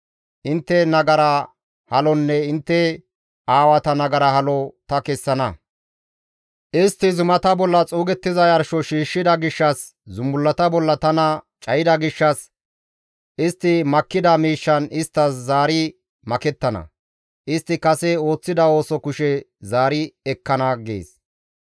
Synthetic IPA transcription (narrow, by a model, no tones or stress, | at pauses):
ʔɪnt̪ːɛnɐɡɐɾɐ | hɐlɔnːɛɪnt̪ːɛ | aːwɐt̪ɐnɐɡɐɾɐhɐlɔt̪ɐkɛsːɐnɐ | ʔɪst̪ːɪzʊmɐt̪ɐbɔlːɐt͡sʼuːɡɛt̪ːɪzɐjɐɾʃɔʃiːʃːɪd̪ɐɡɪʃːɐs | zʊmːʊlːɐt̪ɐbɔlːɐt̪ɐnɐ | t͡ʃʼɐjɪd̪ɐɡɪʃːɐs | ɪst̪ːɪmɐkːɪd̪ɐmiːʃːɐnɪst̪ːɐszaːɾɪ | mɐkɛt̪ːɐnɐ̰ | ʔɪst̪ːɪkɐsɛo̞ːt͡sːɪd̪ɐo̞ːsɔkʊʃɛ | zaːɾɪɛkːɐnɐɡḛːs